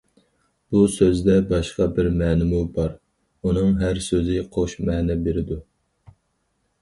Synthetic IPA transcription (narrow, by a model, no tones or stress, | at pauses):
b̥usøzd̪ɛbɑʃqɑbɪɾmɛːnɪmubɑɾ | unɨŋɦæɾsøzɪqʰoʃmɛːnɛbeɾɪd̪u